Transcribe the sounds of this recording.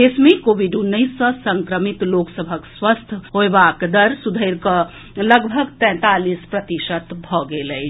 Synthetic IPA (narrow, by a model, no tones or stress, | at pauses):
esmẽkoːʋiɖunːəɪsːə̃sə̃ŋkɾəmit̪loːksəbʱəkswəst̪ʰɦoebakd̪əɾsud̪ʱəɪɾkə | ləɡbʱəɡt̪ɛ̃ːt̪alispɾət̪iʃət̪bʱɔɡeləj